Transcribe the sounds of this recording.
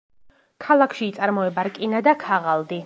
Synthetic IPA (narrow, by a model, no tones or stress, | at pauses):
kʰalˠakʰʃiːt̪sʼaɾmɔɛbaɾkʼinad̪akʰaʁalˠd̪i